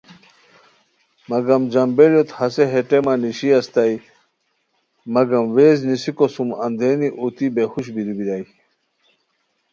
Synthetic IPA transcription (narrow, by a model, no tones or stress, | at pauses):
mɐɡɐmd͡ʑɐmbeljot̪hɐseɦeʈemaniɕiɐst̪ɐj | mɐɡɐmweːznisikosumɐ̰nd̪eːniʔut̪ibexuɕbiɾibid̪aj